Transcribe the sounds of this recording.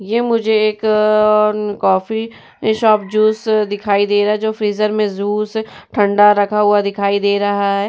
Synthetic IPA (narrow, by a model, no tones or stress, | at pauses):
jeːmʊd͡ʒʱeeːkːɾkɔːfi | ʃɔːpd͡ʒuːsd̪ɪkʰaːid̪eːɾaɦɛd͡ʒoːfɾiːzəɾmẽzuːsʈʰɐ̃ɳɖaɾɐkʰaɦʊad̪ɪkʰaːid̪eːɾɐɦaɦɛː